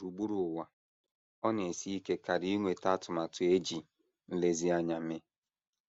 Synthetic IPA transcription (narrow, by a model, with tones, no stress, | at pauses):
ɾu˨ɡ͡bu˦ɾu˨ʊ˨wa˦ | ɔ˦ne˨si˦i˦ke˦ka˨ɾi˦i˦ŋʷe˨ta˦tʊ˨ma˨tʊ˨e˦d͡ʒi˨ | n̩˦le˦zi˦a˦ɲa˨me˦